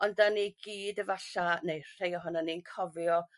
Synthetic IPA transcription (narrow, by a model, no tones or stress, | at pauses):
ɔndaniɡ̥iːdəvaɬanejr̥ejɔɦɔnaninkʰɔvjɔ